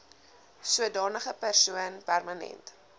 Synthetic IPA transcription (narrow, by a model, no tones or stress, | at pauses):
suədɑːnəχəpærsuənpærmɐnɛ̰nt